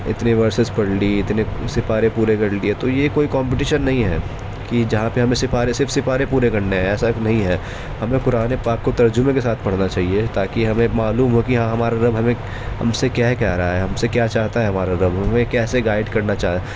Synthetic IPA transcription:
ɪ̰t̪niʋɐɾsɪspɐɽliɪt̪nesɪfaːɾepuːɾekɐɽliet̪ojekoːikɔ̃ːmpɪʈ̬ɪʃənːɐɦĩɦɛ̰ː | kid͡ʒɐɦãpeɦɐmẽsɪfaːɾesɪɾfsɪfaːɾepuːɾekɐɽneɦɛɛːsanɐɦĩɦɛː | hɐmẽpʊɾaːnepaːkːot̪ɐɾd͡ʒʊmẽkesaːt̪ʰpɐɽnat͡ʃaːɦiet̪aːkiɦɐmẽmaːluːmɦokiɦãɦɐmaːɾaɾɐbɦɐmẽ | ɦɐ̰msekjɛɦkjɛːɾɐɦaɦɛɦɐmsekjaːt͡ʃaːɦt̪aɦɛɦɐmaːɾaɾɐbɦɐmẽkɛːseɡaːɪɖkɐɾnat͡ʃaːt̪ː

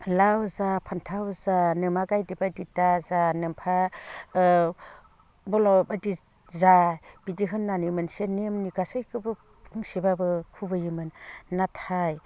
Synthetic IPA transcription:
lawzapʰantʰawzanɯmaɡajdibaditazanɯmpʰa | bɔlɔbadi | zab̥idiɦɯnːanɯjmɯnsenemniɡasajkʰɯbɯ | ɯŋsibabɯkʰubɯjimɯnːatʰaj

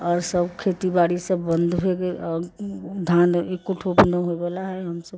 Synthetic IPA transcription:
ɔːɾsəbkʰet̪ibaɽisə̃bənd̪ʱbʱeɡe | d̪ʱanekːoʈʰopnəɦoebalaɦɛɦəmsəb

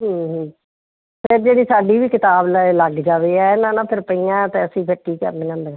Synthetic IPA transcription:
ɦ | pʰɪɾd͡ʒeːɽiːsaːɖiːʋiːkɪt̪aːblələɡd͡ʒaːʋeːɛːnãːnãːpʰɪɾpəiːãːt̪eːəsĩːpʰəʈːiːkə̰ɾneːə̃ːnd̪eã

